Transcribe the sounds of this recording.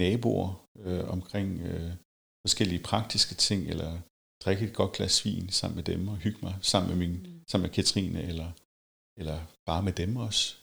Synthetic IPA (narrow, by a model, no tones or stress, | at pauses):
nɛːb̥o̝̰ɐøɒ̽mkʰʁeŋ̰ø | fɒ̽sɡ̥el̰iəpʰʁɑ̈ɡ̥̚d̥isɡ̥ət͡sʰe̝ŋ̰elɐ | d̥ʁeɡ̥əe̝d̥̚ɡ̥ɒ̽d̥̚ɡ̥læsʋḭːnsɑ̈m̰n̩med̥emɒ̽hyɡ̥əmɑɪsɑ̈m̰n̩meminsɑ̈m̰mekʰæt͡sʰʁḭːnəelɐ | elɐb̥ɑ̈ːmed̥emɒ̽s